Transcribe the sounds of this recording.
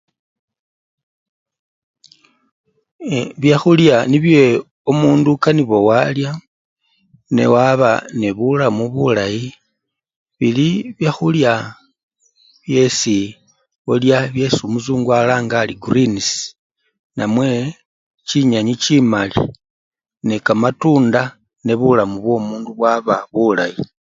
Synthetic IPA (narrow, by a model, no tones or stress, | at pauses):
βjaxuljaniβje | omuːndukaniβo̞walja | ne̞̰waβa̰neβulamuβulaji | βiliβjaxulja | βje̞si | oljaβje̞sumuzuːŋɡwalaːŋɡaːliɡurins | namwe̞ | t͡ʃiɲaɲit͡ʃimalḭ | nekamatuːnda | ne̞βulamuβwo̞ːmuːnduβwaβaβula̰ji